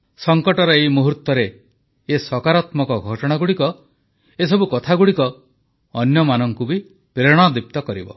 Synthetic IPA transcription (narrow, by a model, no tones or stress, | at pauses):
sɔŋkɔʈɔɾɔeimuɦuɾt̪ɔɾeː | sɔkaɾat̪mɔkɔɡʱɔʈɔɽ̃aɡuɽikɔ | esɔbukɔt̪ʰaɡuɽikɔː | njɔmanɔŋkubi | pɾeɽ̃ɔd̪ip̚t̪ɔkɔɾibɔ̰